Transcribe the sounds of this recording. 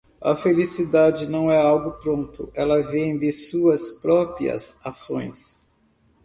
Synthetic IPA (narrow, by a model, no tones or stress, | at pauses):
ɐ̰felisid̪ad͡ʒɪnɐ̃w̃ɛawɡʊpɾõnt̪ʊ̰ʔɛlɐvẽj̃d̪ɪsuɐspɾɔpɾiɐ̰sasõ̰j̃s